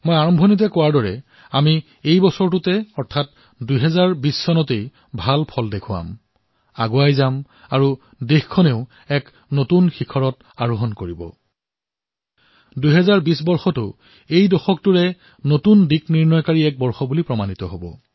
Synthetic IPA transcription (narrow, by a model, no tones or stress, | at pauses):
mojaɹɔmbʱɔnit̬ɛkɔwaɹdɔɹɛ̰ | ami | ejbɔsɔɹtʊtɛɔɹtʰat̚ | dujɦɛzaɹbisːɔnɔtej | bʱalpʰɔldekʰʊwa̰m | aɡuajzam | aɹu | dexkʰɔneʊ | ɛk | notunxikʰɔɹɔt | aɹuɦɔnkoɹibɔ̰ | duɦɛzaɹbis̬bɔɹxɔtʊ | ejdɔxɔk̚tʊɹɛ | notundikniɹnɔjkaɹiɛk̚bɔɹxɔbulipɹɔmanitɔɦobɔ̰